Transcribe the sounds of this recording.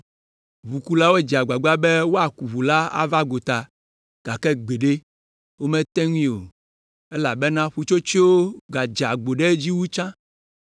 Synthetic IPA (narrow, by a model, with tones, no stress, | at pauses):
βu˨ku˦la˦wo˦e˦d͡ʒa˨ɡ͡ba˨ɡ͡ba˦be˦wo˦a˨ku˨vu˨la˦a̰˦va˦ɡo˨t̪a˨ | ɡ̥a˨kɛ˦ɡ͡be˨ɖe˦ | wo˦mɛ̃˦t̪ɛ˦ŋũ˦ĩ˦˨o̰˨ | e˦la˨be˦nã˦ɸu˨t͡ʃo˦t͡ʃi˦wo˦ɡa˨d͡ʒa˨ɡ͡bo˨ɖe˦d͡ʑi˦wu˦t͡ʃã˦